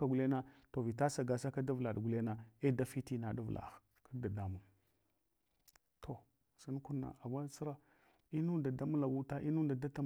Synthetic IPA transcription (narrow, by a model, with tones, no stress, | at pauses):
a˨ɡu˨le˦na˦to˨vi˨ta˦sa˨ɡa˨sa˦ka˦da˦vla˨ɗɡu˨le˦na˨e˦da˦fi˦ti˦na˨da˦vlʔa̰˨ | ka˦da˨da˦mu˨n | tʰo˨ | sa˦n˦ku˦nːa̰˨a˨ma˦t͡si˦ɾa˦ | i˦nu˦da˨da˦mu˦la˨wu˦ta˦ʔi˦nu˦da˨da˦ta˦